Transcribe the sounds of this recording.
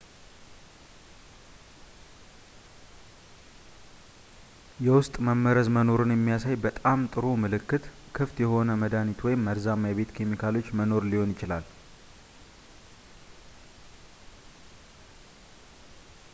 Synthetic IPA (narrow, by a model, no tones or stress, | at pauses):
jɛwʊst̪ʼməmːəɾəzməno̞ɾɨnjɛmːijasajbət̪ʼamt̪ʼɨɾumɨlɨkːɨt̪ | kʰɨft̪jɛho̞nəməd̪anit̪ʰwɔjɪmːəɾzamːjaβe̞t̪kʰemikʰalo̞t͡ʃːməno̞ɾliho̞njɪt͡ʃɪlal